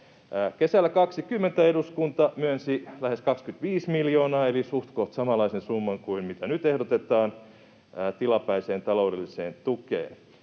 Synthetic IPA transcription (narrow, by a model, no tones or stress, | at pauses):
kesælːækɑksikymːent̪æeduskunt̪ɑmyønsilæheskɑkskyt̪ʋiːsmiljoːnɑːelisuht̪koht̪sɑmɑlːˑɑisensumːɑŋkuinmit̪ænyt̪ehdot̪et̪ɑːnː | t̪ilɑpæiseːnt̪ɑloudelːiseːnt̪ukḛːn